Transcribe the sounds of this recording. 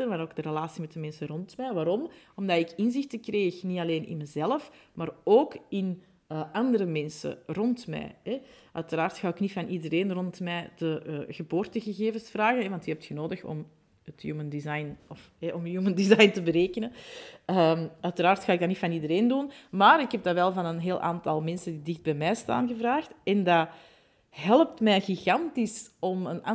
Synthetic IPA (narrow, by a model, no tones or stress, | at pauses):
ənmaːɾoːɡ̚dərəlaːsimɛtəmɛnsərɔntmɛːʋaːɾɔmɔmdatɪkɪnzɪxtəkreːxniɑleːnɪ̰nməzɛləfmaːroːkɪn | əɑndəɾəmɛnsə̰rɔntmɛ̰ːɦɛʔœɥtəɾaːrtxaːwɪknifɑnʔidəɾeːnrɔntmɛːd̥əɣəboːrtəɣəɣeːvənsfraːɣənɛʋɑntyəɦɛp̚txənoːdəxɔ̰m | ətjṵːməndizajnɔfɦɛʔɔmjuːməndizɑjntəbəɾeːkənəəmœɥtəɾaːrtxaːɪɡ̚danitfɑnidəɾeːndunmaːɾɪkɦɛb̚daʋɛlˠvɑnənɦeːlˠʔa̰ːntɑlˠmɛnsəndidɪxd̚bɛːmɛːsta̰ːnɣəvraːxtɛnda | ɦɛlˠəp̚tmɛːɣiɣɑntisɔmənɑ